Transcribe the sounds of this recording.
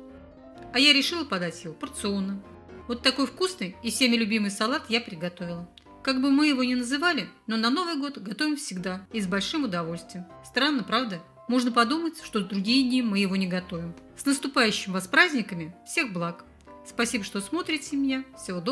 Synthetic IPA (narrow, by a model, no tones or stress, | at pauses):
ɐjaɾʲɪʂɨlˠəpɐd̪atʲjɪvo̞pərt̪sɨonːə | vo̞t̪ːɐko̞jfkusnɨjɪsʲemʲɪlʲʊbʲimɨjsɐlˠat̪japɾʲɪɡɐt̪o̞vʲɪlˠə | kaɡbɨmɨjɪvo̞nʲɪnəzɨvalʲɪno̞nɐno̞vɨjɡo̞t̪ɡɐt̪o̞vʲɪmfsʲɪɡd̪aɪzbɐlʲʂɨmʊd̪ɐvo̞lʲst̪vʲɪjmst̪ɾanːəpɾavd̪ə | mo̞ʐnəpɐd̪umətʲʂt̪o̞zd̪ɾʊɡʲijɪdʲnʲimːɨjɪvo̞nʲɪɡɐt̪o̞vʲɪmsnəst̪ʊpajʉɕːɪmvɐspɾazʲnʲɪkəmʲɪfsʲe̞xblˠak | spɐsʲibəʂt̪o̞smo̞t̪ɾʲɪtʲɪmʲɪnʲafsʲɪvo̞d̪o